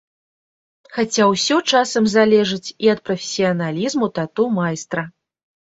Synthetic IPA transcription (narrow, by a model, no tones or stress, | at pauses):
xat͡sʲawsʲɔt͡ʂasɐmzalʲɛʐɨt͡sʲiɐt̪̚pɾɐfʲe̥sʲijɐnalʲizmut̪at̪umajst̪ɾɐ